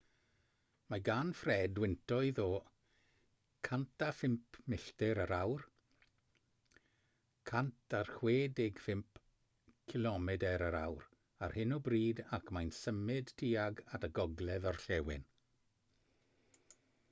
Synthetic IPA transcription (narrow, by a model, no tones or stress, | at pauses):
maɡanfrɛːdwɪntʰɔɨðɔ | kʰantʰafɪmpʰmɪɬtɛɾəɾawr | kʰantʰarxweːdɪɡfɪmp | kʰɪlˠɔmɛdɛɾəɾa̰wr | arhɪnɔbriːdakʰmajnsəmɪd̥tʰiːaɡataɡɔɡlˠɛðɔrɬɛwɪ̰n